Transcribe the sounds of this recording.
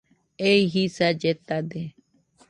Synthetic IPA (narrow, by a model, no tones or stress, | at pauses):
eiɦisad͡ʒet̪ad̪e